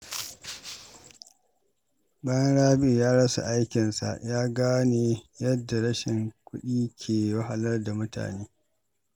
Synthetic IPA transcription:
bɐ˦ŋɽaː˦bɪ˨jaː˦ɽɐ˦sa̰˨ʔa˦jkʲɪ˨nsa̰˨ʔjaː˦ɡaː˦neː˨jɐ˦dːa˨ɽɐ˦ʃɪ˨ŋkʷʊ˦ɗiː˦kʲʰeː˨wɐ˦ɦa˨lɐ˦rda˨mʊ˦ta̰ː˨neː˦

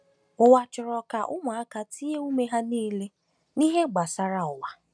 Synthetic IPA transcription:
ʊ˨wa˨t͡ʃɪ˨ɾɔ˨ka˨ʔʊ˦ŋʊ˨a˦ka˨ti˦e˦u˦me˦ɦa˦niː˦le˦ | ni˦ɦe˦ɡ͡ba˨sa˨ɾa˨ʊ˨wa˨

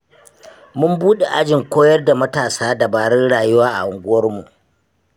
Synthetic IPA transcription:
mʊ˦mbuː˦ɗe˨ʔa˦d͡ʒɪ˨ŋkʷoː˦jɐ˦rda˨mɐ˦taː˨saː˦da˨baː˨ɽɪ˦nɽaː˨jʊ˦waː˦ʔa̰˨ʔʊ˨ŋɡʷʊ˦wɐ˦rmu˨ʔ

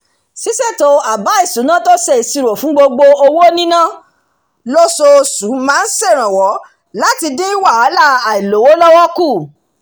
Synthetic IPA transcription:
si˨˦sɛ˦˨to˧a˨ba˨˦i˦˨sũ˨˦nã˦to˦sɛ˦˨i˨si˧ɾo˨fũ˨˦ɡ͡bo˧ɡ͡bo˧o˧wo˦nĩ˦nã˦˨ | lo˦so˧su˨˦mãː˦n̩˦sɛ˦˨ɾ̃ã˨wɔ˨˦ | la˦ti˧de˦i˦wa˦˨a˨˦la˦a˨i˨lo˨˦wo˦lɔ˦wɔ˦ku˦˨

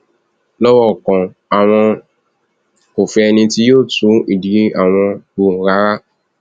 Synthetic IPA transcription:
lɔ˦wɔ˦˨kɔ̃˨ | a˨w̃ɔ̃˧ | o˨fɛ˧ɛ˧nĩ˧ti˦joː˦˨tũ˨˦i˨di˨˦ʔa˨w̃ɔ̃˧bu˨ɾa˨˦ɾa˦

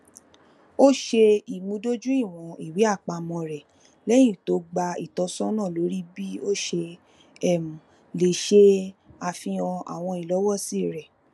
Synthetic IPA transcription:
o˦ʃe˧i˨mũ˧˦do˦d͡ʒũ˦i˦˨w̃ɔ̃˨i˨wi˨˦a˦˨k͡pa˧mɔ̃˧ɾɛ˨ | lɛ˦j̃ĩ˦˨to˨˦ɡ͡ba˧i˨tɔ˧˦sɔ̃˦nã˦˨lo˨˦ɾi˦bi˦o˦ʃe˧ | ɛ˦˨mu˨ | le˨ʃe˧a˨fĩ˧ɔ̃˧a̰˨w̃ɔ̃˧i˨lɔ˨˦wɔ˦si˦˨ɾɛ˨

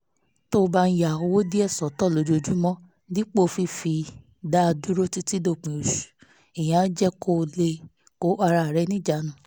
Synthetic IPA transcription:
to˦˧ba˧n̩˦ja˨o˧wo˦di˦ɛ˦˨sɔ˨˦tɔ˦˨lo˨˦d͡ʒo˧˨d͡ʒu˦mɔ̃˦ | dĩ˦k͡po˦˧fi˧fi˧ | da˦˧du˦ɾo˦ti˦ti˦do˦˨k͡pĩ˨o˨ʃu̥˨ | e˨j̃ã˨˦d͡ʒɛ˦ko˦˨le˧ | ko˨˦a˧ɾa˧˨ɾɛ˨˦nĩ˦d͡ʒa˨nũ˨˦

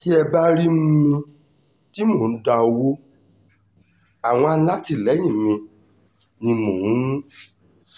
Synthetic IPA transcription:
ti˦ɛ˧ba˦ɾi˦muũ˦mĩ˧ | ti˦mõ˦˨n̩˦da˧o˧wo˦ | a˨w̃ɔ̃˧a˧la˦ti˦˨lɛ˨˦j̃ĩ˦˨mĩ˧ | nĩ˧mõ˨ũ˨˦ũ˦

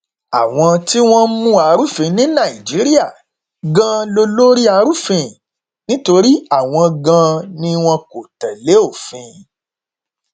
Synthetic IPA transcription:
a˨w̃ɔ̃˧ti˦w̃ɔ̃˦mũ˦a˧ɾu˦fĩ˧nĩ˦nã˦˨i˨d͡ʒi˨˦ɾi˦a˦˨ | ɡã˧lo˧lo˦ɾi˦a˧ɾu˦fĩ˧˨ | nĩ˦to˧ɾi˦a˦˨w̃ɔ̃˧ɡã˧nĩ˦w̃ɔ̃˧ko˨tɛ˨le˨˦o˦˨fĩ˧

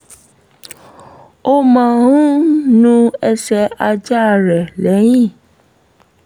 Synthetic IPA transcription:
o˦mã˨ɾũ˦nũ˦ɛ˧ʃɛ˧a˧d͡ʒa˦˨ɾɛ˨lɛ˨˦j̃ĩ˦˨

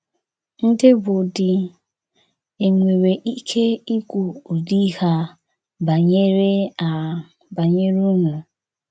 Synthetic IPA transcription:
n̩˦dɪ˦bʊ˨dɪ˨ | e˨ŋʷe˨ɾe˨ʔi˦kʰe˦i˦kʷu˨o˨di˦ha˦ | ba˨ɲe˦ɾe˦a˨ | ba˨ɲe˦ɾu˦ŋʷu˨

